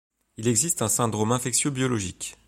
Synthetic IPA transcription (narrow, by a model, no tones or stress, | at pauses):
ilɛɡzist̪ɛ̃sɛ̃d̪ʁomɛ̃fɛksjøbjɔlɔʒik